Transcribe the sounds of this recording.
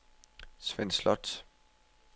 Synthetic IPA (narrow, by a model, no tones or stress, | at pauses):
sʋenslɒd̥